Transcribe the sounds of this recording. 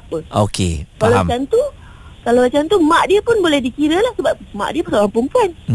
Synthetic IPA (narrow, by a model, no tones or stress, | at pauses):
apəo̰kḛkalaat͡ʃant̪u | kalawat͡ʃant̪umãʔdiəpʊnbolɛhdikiɾəlahsəbap̚ma̰ʔdiəpakakampʊŋpuan